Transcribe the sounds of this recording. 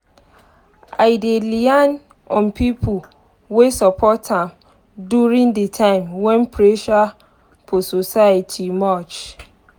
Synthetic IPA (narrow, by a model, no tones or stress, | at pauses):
ʔaɪdelian | ɔ̃npʰipʰu | wesapʰɔtãm | duɹĩŋdətʰãɪ̃mwɛ̃npʰɹeʃa | pʰososajatʰimat͡ʃ